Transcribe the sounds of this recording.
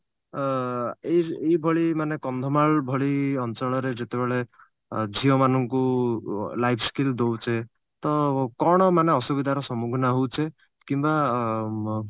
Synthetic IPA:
eejbʱɔɭimanekɔnd̪ʱɔmaɭbʱɔɭiɔnt͡ʃɔɭɔɾed͡ʒet̪ebeɭe | d͡ʒʱiɔmanɔŋku | lajpʰskild̪owt͡ʃʰe | t̪ɔkɔɽ̃ɔmaneɔsubid̪ʱaɾɔsɔmuɡʱɔnaɦowt͡ʃʰe | kimba

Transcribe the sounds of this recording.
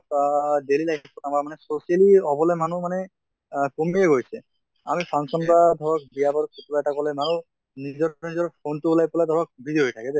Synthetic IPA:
delilaj̚ɔtamaɹmanɛsosijaliɔbɔlɛmanumanɛ | pomieɡojsɛ | a̰mipʰaŋsɔnpad̪ʱɔbak̚bijabɔɾkotulaɛtakɔlɛmanu | nizɔnizɔɹpʰontuulajpɔlajd̪ʱɔbak̚bidioɦojtʰakɛdɛ

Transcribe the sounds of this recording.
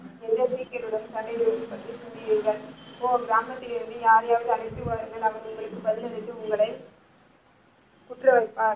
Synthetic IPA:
ɛnd̪ɐsiːkːɐɾɯɽɯmsɐɳɖɐɪʋɯɽɯmɯpːɐʈrisɪnd͡ʒ̪ɪʋiːŋɡɐɭɪpːoːɡɪɾaːmɐt̪ːɪlɪɾɯnd̪ɯjaːɾɐjaːʋɐðɯɐɽɐɪt̪ːɯʋaːɾɯŋɡɐɭɐʋɐɳʊŋɡɐɭɯkːɯbɐðɪlɐlɯt̪ːɯʊŋɡɐɭɐɪ | kʊʈrɐʋɐɪpːaːɾ

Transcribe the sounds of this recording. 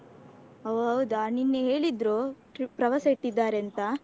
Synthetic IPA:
ɦɐʋɦɐʋd̪aninːeɦeːɭid̪ɾoː | pɾɐʋɐsɐiʈːid̪ːaːɾent̪ɐ

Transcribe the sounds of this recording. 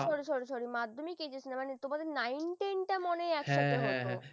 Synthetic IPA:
ʃɔɾoʃɔɾoʃoɾimad̪ʱːomiked͡ʑesʰnamanet̪omad̪eɾnajnʈenʈamoneɛkʃat̪ʰeɦotɦõ

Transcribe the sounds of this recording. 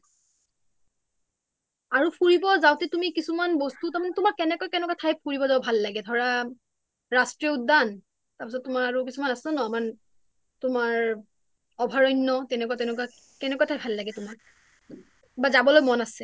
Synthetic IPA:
aɹupʰuɹibɔzawtɛtumikisumanbɔstutamanɛtumaɹkɛnɛkɔjkɛnɛkwatʰajpuɹibɔzabɔbʱalːaɡɛdʱɔɹa | ɹastɹiudan | taɹpisɔtːumaɹaɹuk̬isumanasɛnɔaman | tʊmaɹ | ɔbʱaɹɔjnːɔtɛnɛkuatɛnɛkwa | kɛnɛkɔatʰajbʱalːaɡɛtʊmak̚ | bazabɔlojmɔnasɛ

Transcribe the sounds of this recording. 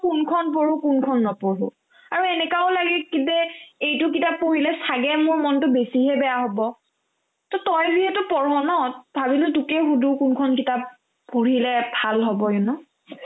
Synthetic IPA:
kunkʰɔnpoɹukunkʰɔnːɔpoɹṵ | aɹuɛnɛkaolaɡɛkidɛejtʊk̬itapːoɹilɛsaɡɛmʊɹmɔntʊbesiɦɛbɛjaɦɔbɔ | tɔtɔjziɦɛtʊpɔɹɔnɔtbʱabilʊtukɛxudukunkʰɔnkitapː | oɹilɛbʱalɦɔbɔjɔnʊ

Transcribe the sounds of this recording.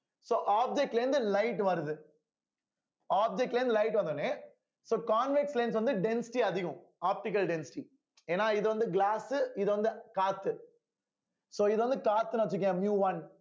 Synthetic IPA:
soːʔaːb̚d͡ʒɛk̚ʈːlɾɪnd̪ɯlɐɪʈʋɐɾɯðɯ | aːb̚d͡ʒɛk̚ʈlɾnd̪ɯlɐɪʈʋɐnd̪ɐne | soːkaːnʋɪkslens̬ʋɐnd̪ɯɖɛnsɪ̥ʈiɐðɪɣʊ̃ | aːp̚ʈɪk̬ɐlɖɛnsɪ̥ʈi | eːnːaːɪðɯʋɐnd̪ɯɡlaːsɪðɯʋɐnd̪ɯkaːt̪ːɯ | soːɪðɯʋɐnd̪ɯkaːt̪ːɯnaʋɐt͡ʃːɪkːɛ̃ːmjuːʋɐn

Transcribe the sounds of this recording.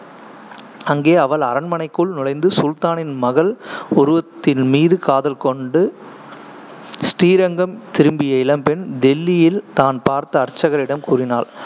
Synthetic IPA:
ɐŋɡeːɐʋɐɭɐɾɐnmɐnɐɪkːɯɭnɪlɐɪnd̪ɯsʊlt̪aːnɪnmɐɣɐɭʊɾʊʋɐt̪ːɪlmiːðɯkaːðɐlkɔɳɖɯ | sʈiːɾɐŋɡɐmt̪ɪɾɯmbɪjɐɪlɐmpɛnd̪ɛlːɪjɪlt̪aːnpaːɾt̪ɐːrt͡ʃːɐɣɐɾɪɽɐmkuːrɪnaːɭ

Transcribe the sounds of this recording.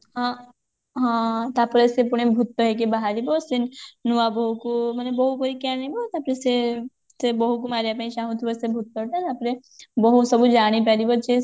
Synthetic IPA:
ɦã | ɦãt̪apəɾesepuɽ̃ebʱut̪ːɔɦek̬ebaɦaɾibosinnuabɔɦukumənebɔɦubɔɾikɛnibot̪apɾese | sebɔɦuk̬umaːɾiapãĩʃaɦũt̪ʰibɔsebʱut̪ːɔʈat̪apɾe | bɔɦusəbud͡ʒaːɽ̃ipɛɾibɔt͡ʃe

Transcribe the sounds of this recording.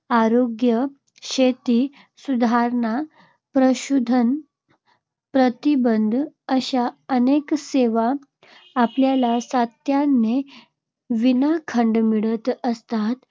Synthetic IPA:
aɾoɡjə | ɕet̪i | sud̪ʱaɾɳa | pɾəɕud̪ʱən | pɾət̪ibənd̪ʱəɕaənekseʋaː | pljalasat̪janːe | ʋinakʰəɳɖmiɭət̪əst̪at̪

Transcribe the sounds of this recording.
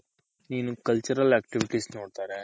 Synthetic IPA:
niːnukɐlt͡ʃɐɾɐlɛːkʈiʋiʈiːsnoːɽt̪aːɾeː

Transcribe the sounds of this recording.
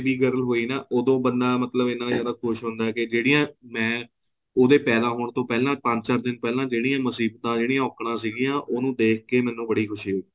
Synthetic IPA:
biːɡəɾəlɦoːiːnaːʔoːd̪õːbənd̪aːmət̪ləbɪnãːjaːd̪aːkʰʊʃɦʊ̃nd̪aːɛːkɪd͡ʒeːɽijãːmɛ̃ː | oːd̪eːpɛːd̪aːɦoːɳt̪õːpɛːlãːpə̃ɲsaɾd̪ɪnpɛːlãːd͡ʒeːɽiːãːməsiːbt̪ãːd͡ʒeːɽiːãːɔːkɽãːsiːɡĩjãːʔoːnũːd̪eːk̚ʰkeːmɛ̃ːnũːbəɽiːkʰʊʃiːɦoːiː

